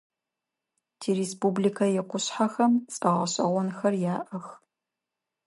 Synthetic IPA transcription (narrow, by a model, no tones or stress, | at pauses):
tʰiːɾeːspublikʰɐjɛqʷʊɕħaxɐmt͡sʼɐʁɐɕʼɐ̰ʁʷɔnxɐrjaːʔɐx